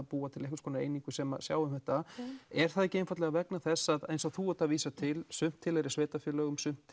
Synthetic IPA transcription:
puːat̪ʰɪlɛhkʏ̥skɔnaḛjniŋkʏsɛma̰sja̰ːwʏmhɛht̪aɛɾ̥θaðɛhcːɪejnfat̪lɛɣavɛknaθɛsːaðḛjnsaθuɔt̪aviːsat̪ʰɪlsʏm̥t̪ʰːɪlɛɾɪ̥sveːt̪afjœlœːɣʏmsʏm̥t̪

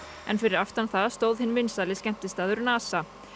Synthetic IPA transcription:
ɛ̰nfɪɾɪɾaft̪anθaðst̪oːwðhɪnːvɪnsalɪscɛm̥t̪ɪst̪aːðʏɾnaːsa

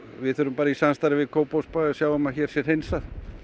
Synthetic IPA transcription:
vɪðθœɾʏmpaːɾaisanst̪aɾɪvɪðkʰoːwpowspasjaːwʏmaçɛːɾ̥sjɛɾ̥hejnsað

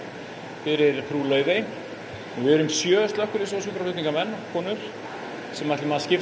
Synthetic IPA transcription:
fɪɾɪɾ̥pʰɾuːlœːɥve | ɔɣvɪɾʏmsjœːʏst̪lœhkʏɾɪs̬ɔs̬ʏɾaflʏht̪niŋkamɛnːɔkʰɔːnʏɾ̥ | sɛmajt̪lɪmaːðscɪf

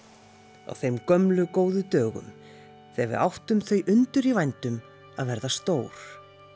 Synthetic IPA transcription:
a̰wθejmkœmlʏkoːwðʏt̪œːɣʏ̰m | θɛvɪ̰ʔawht̪ʏmθœɥjʔʏnt̪ʏɾivajnt̪ʏm | aðvɛɾðast̪oːwɾ̥

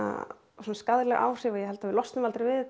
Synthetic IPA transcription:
a̰ | suːnskaðɾlɛɣa̰ːwr̥jɛvajɛhɛlt̪avɪlɔst̪nʏmalt̪ɾɪɾvɪð

